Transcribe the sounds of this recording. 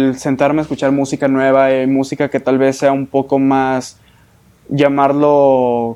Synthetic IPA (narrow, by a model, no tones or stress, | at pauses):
lse̞nt̪aɾmeːskut͡ʃaɾmusikanwe̞βaemusikake̞t̪alβe̞sːe̞aumpo̞ko̞mas | ʝamaɾlo